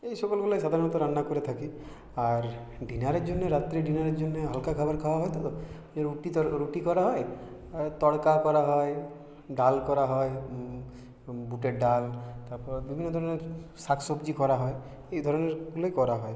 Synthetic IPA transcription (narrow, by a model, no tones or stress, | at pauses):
ejsɔkɔlɡulajsad̪ʱaɾɔnɔt̪ɔɾanːakuɾet̪ʰaki | aɾ | ɖinaɾeɾd͡ʒonːeɾat̪ɾeɖinaɾeɾd͡ʒonːeɦɔlkakʰabaɾkʰabaɦɔjt̪ɔd̪ɔ | eɾuʈit̪ɔɾuʈikɔɾaɦɔe | t̪ɔɽkakɔɾaɦɔe | ɖalkɔɾaɦɔe | buʈeɖalt̪aɾpɔɾebibʱinːɔd̪ʱɔɾɔneɾsakʰsɔbd͡ʒikɔɾaɦɔe | ejd̪ʱɔɾɔneɾɡulɔjkɔɾaɦɔe